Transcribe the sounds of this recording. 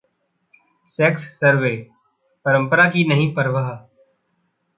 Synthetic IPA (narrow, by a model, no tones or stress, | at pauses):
sɛːksːəɾʋeː | pəɾə̃mpəɾaːkiːnəɦĩːpəɾʋəɦ